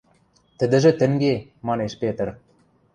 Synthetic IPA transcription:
t̪ə̆d̪ɘ̆ʒɘ̆t̪ɘ̆ŋɡemɑneʃpet̪̆r

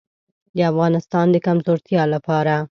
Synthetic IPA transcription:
d̪əafɣɑnɪst̪ɑnd̪əkamzoɾt̪jɑlapɑɾa

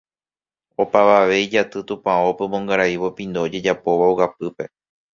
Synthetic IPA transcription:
o̞paʋaʋe̞id͡ʒat̪ɨt̪ũpãopemõŋɡaɾaiʋo̞pĩnd̪oːd͡ʒe̞d͡ʒapo̞ʋaowap̚ɨpe̞

